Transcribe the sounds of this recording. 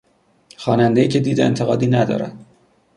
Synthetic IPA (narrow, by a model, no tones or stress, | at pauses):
xɒːnænd̪ejiːcʰe̞d̪iːd̪eent̪ʰeɣɒːd̪iːnæd̪ɒ̰ːɾæ̰n̥